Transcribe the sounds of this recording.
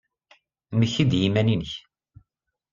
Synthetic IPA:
məçid̪jimæninəç

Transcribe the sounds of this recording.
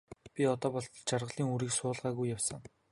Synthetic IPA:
pʲiɔt̪ɔːpɔɮt̪t͡ɕarʁə̆ɮiːŋuɾiːksʊːɮʁæːɣujːawsə̆ŋ

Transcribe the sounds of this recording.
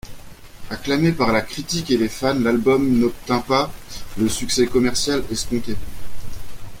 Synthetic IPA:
aklamepaʁlakχit̪ikelefanlalbɔmnɔp̚t̪ɛ̃paləsyksɛkɔmɛʁsjalɛskɔ̃t̪e

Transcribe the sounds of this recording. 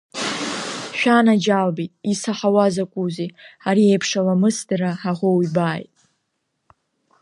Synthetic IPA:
ʃᶣanad͡ʒalbitʼisaħawazakʷʼuziaɾiejpʰʂalamɨsdaɾaħaʁʷowibaːjtʼ

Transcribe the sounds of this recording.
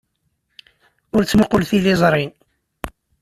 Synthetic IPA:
ʊɾt͡sːəməqlθilizˤɾˤin

